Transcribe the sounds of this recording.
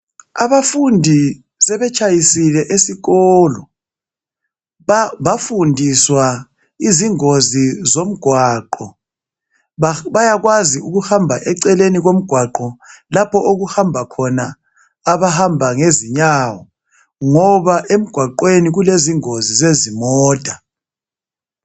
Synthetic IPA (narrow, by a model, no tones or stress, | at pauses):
a̰βafundʱi | sɛβɛt͡ʃʼajisilɛʔesiɣɔːlɔ | βafundʱiswa | iziŋozizom̩ɡ̥ʱwaːǃɔ | βajaɣwaziuɣuhambʱaʔɛǀɛleniɣom̩ɡ̥ʱwaǃɔlapʰɔʔoɣuhambʱakʰɔnaː | βahambʱaŋeziɲaːwɔ | ŋɔβaʔem̩ɡ̥ʱwaǃweniɣuleziŋozizezimɔːd̥ʱa